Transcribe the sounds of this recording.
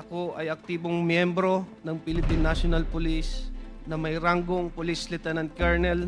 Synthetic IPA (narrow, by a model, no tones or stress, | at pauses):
ʔɐko̞ʔɐjɐk̚t̪iːboŋmjɛmbɾo̞nɐŋpɪlɪpinːasonɐlpʊlisnɐmɐjɾaŋɡoŋpʊlislɪt̪ɛnɐnt̪̚kaɹnɛl